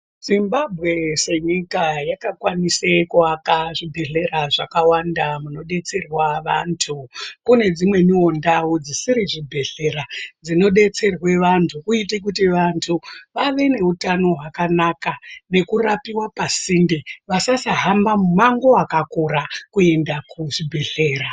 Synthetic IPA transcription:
z̥imbabʱɣe̞se̞ɲikajakakwanisekuakaʐibʱe̞ɮe̞raʐakawandamuno̞ɗe̞t͡se̞rwaʋa̰ntʰukune̞d͡zimwe̞niwo̞ndaud͡zisiɾiʐibʱe̞ɮe̞ɾad͡zino̞ɗe̞t͡se̞rwe̞ʋantʰukuitek̬utiʋantʰuʋaʋe̞ne̞utano̞ɦwakanakane̞kurapiwapasindeʋasasaɦambamumaŋɡo̞akakoɾakue̞ndakuʐibʱe̞ɮe̞ːra

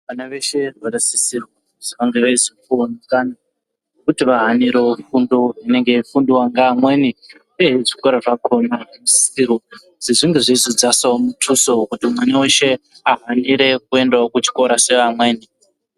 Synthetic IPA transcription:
ʋanaʋe̞ʃe̞rwaɾesisirwo | ʐ̥akaŋɡeʋaizikuonekana | nokutiʋaɦaniɾefundoine̞ŋɡe̞ifundowaŋɡaːmweni | eiʐikoɾaʐakʰo̞namusi̥siro | ziʐiŋɡe̞ʐizid͡zasaomutʰusokutimwaneweʃe̞ | aɦaniɾe̞k̚ue̞ndewokut͡ʃi̥ko̞ɾase̞ʋamwe̞ːni

